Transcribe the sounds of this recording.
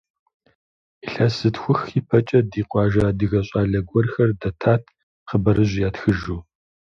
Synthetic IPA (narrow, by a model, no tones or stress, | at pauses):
iɬɐsɨtxʷʊxiːpʰɐt͡ʃʼɐdiːqʷɑːʒɐdɨɣɐɕʼɑːɮɐɡʷɔrxɐrdɐtʰaːtʰ | qəbɐɾɨʑjaːtxɨʒuː